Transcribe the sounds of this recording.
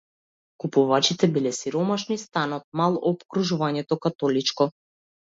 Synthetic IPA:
kupuvat͡ʃit̪ɛbilɛsiɾɔmaʃnist̪anɔt̪̚malˠɔpkɾuʒuvaɲɛt̪ɔkat̪ɔlit͡ʃkɔ

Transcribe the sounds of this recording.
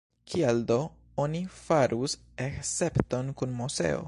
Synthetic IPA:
kʰialdo | onifaɾʔus | ekse̞pto̞nkunmose̞̰o̞̰

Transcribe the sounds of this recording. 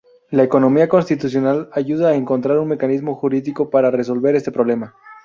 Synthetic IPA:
laeko̞no̞miako̞nst̪it̪usjo̞nalaʝuðaːeŋko̞nt̪ɾaɾunme̞kanizmo̞xuɾiðiko̞paɾare̞s̬o̞lβe̞ɾe̞st̪e̞pɾoβle̞ma

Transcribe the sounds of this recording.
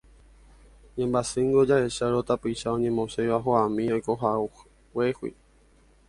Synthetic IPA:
ɲẽmbasɨŋɡod͡ʒaeʃaɾot̪apɨʃaõɲẽmõsejʋaɦoamĩojkoɦau | wehwḭ

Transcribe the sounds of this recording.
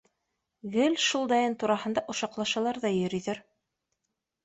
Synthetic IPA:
ɡɘlʲʃulˠd̪ɑjɤnt̪uɾɑɦɤ̆nd̪ɑʔŏʃɑqlˠɑʃɤ̆lˠɑɾðɑjɵ̆ɾĭðɘɾ

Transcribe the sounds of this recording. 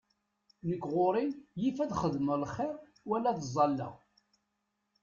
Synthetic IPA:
nəkːʁoɾˤinjifæðχəðməlχːɪɾ | wælːæðəzˤɑlːə̰ʁ

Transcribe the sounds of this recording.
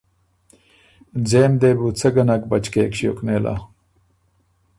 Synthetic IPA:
d͡zeːmd̪eːbut͡sʰɐɡɐnɐk̚bɐt͡ɕkeːkɕijo̰kneːla̰

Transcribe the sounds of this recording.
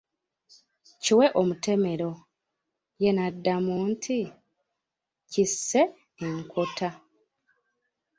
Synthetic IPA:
ciwe̞ʔomute̞me̞ɾo̞ | je̞nadːamuːntʰi | cisːe̞ | eŋkʰotʰa

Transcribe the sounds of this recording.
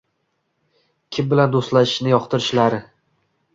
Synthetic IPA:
kʲʰɪmbɪland̪ost̪laɪ̥ʃnɪjɒqt̪ʰɪɾɪʃlaɾɪ

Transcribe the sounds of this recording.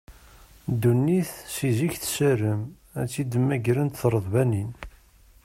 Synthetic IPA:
d̪ːunːiθsiziçθsəɾəm | æt͡sːid̪mæɡɾənt̪θɾˤəðˤvænin

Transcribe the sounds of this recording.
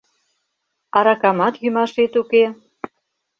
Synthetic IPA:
ɑɾɑkɑmɑt̪jymɑʃet̪uke

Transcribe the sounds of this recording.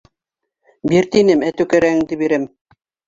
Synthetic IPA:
biɾt̪inɘmæt̪ʉkɘ̆ɾæŋd̪ɘbiɾɘm

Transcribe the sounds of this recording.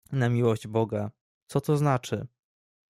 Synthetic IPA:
namʲiwɔʑd͡ʑbɔɡa | t̪sɔt̪ɔznat͡ʂɘ

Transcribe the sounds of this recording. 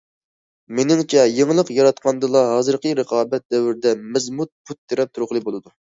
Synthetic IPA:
menɪŋt͡ʃʰɛjeŋlˠəqjɑɾɑt̪̚qʰɑnd̪ɨlˠɑɦɑːzɨɾqʰəɾəqʰɑːbɛt̪̚d̪ɛwɪɾɪd̪ɛmɛzmut̪̚pʰut̪ʰːeɾɛp̚t̪ʰuɾʊχlˠɨbolˠɨd̪u

